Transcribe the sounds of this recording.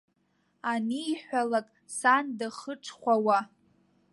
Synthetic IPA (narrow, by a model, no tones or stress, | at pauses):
aniːħᶣʷalakʼ | sandaχəʈ͡ʂʰχʷawa